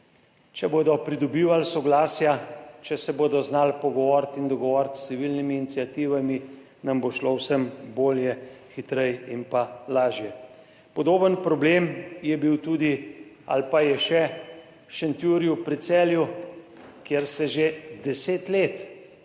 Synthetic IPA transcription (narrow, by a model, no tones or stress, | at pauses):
t͡ʃɛboːd̪ɔpɾid̪ɔbiːʋalsɔɡlaːsjat͡ʃɛsɛboːd̪ɔznalpɔɡɔʋɔɾt̪ind̪ɔɡɔʋɔɾt̪ssiʋilnimiːnit̪sijat̪iːʋami | namboʃlowsəmboːljɛxit̪ɾɛjimpalaːʒjɛ | pɔd̪oːbənpɾɔbleːmjɛbiwt̪uːd̪i | a̰lpajɛʃɛ | wʃɛnt̪juːɾjupɾit̪sɛːlju | kjeɾsɛʒed̪ɛseːt̪leːt̪